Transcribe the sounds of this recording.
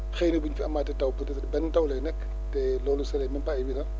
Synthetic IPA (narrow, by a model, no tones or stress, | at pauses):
xejnebuɲfiɐmːaːtɛtɐwpt | bɛnːtawlɛnɛkː | tɛlɔːlusɛlɛminpaibinɐ